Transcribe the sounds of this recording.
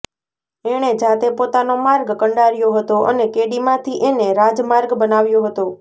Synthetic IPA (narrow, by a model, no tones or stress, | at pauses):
eɽ̃ed͡ʒat̪epot̪anomaɾɡkəɳɖaɾjoɦət̪oʔə̰nekeɽimãt̪ʰiʔeneɾad͡ʒmaɾɡbənaʋjoɦət̪o